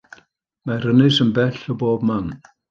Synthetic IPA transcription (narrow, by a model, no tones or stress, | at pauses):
mar̥ənɪsənbɛɬɔboːb̚man